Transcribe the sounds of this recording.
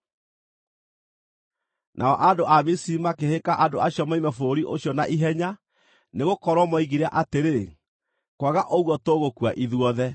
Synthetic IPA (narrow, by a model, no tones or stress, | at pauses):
nʔaɔʔadoʔamisimakehekaʔandoaɕjɔmaimɛfoɾiʔoɕjɔnaʔiɦɛɲa | neɣokɔɾwɔmɔiɣiɾa̰ʔateɾe | kwaɣaʔɔɣwɔtoɣokwa̰ʔiðwɔðɛ